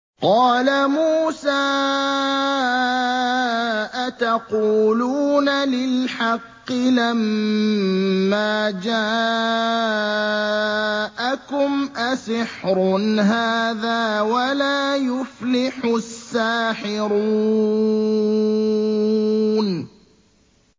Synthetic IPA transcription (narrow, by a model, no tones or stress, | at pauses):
qɑːlamuːsaː | ʔat̪aquːluːnalɪlħɑqːɪlam | aːd͡ʒaː | ʔakʊmʔasɪħɾnɦaːðaːwalaːjʊflɪħʊsːaːħɪɾu | n